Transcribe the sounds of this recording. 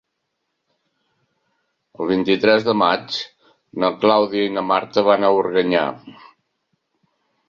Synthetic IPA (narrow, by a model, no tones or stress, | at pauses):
əlˠβ̞int̪it̪ɾɛzðəmat͡ʃ | nəklawðiəinəmaɾt̪əβanəurɣəɲa̰